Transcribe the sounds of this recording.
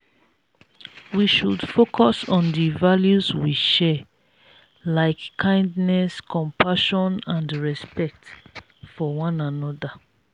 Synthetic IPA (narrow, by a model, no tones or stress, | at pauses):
wiʃudfokʰɔsɔ̃ndivaljuzwiʃɛ | laɪkːʰãɪ̃ndnɛskʰɔ̃mpʰaʃɔ̃nãndɹɛspɛk̚t | fɔwɔ̃nãnɔda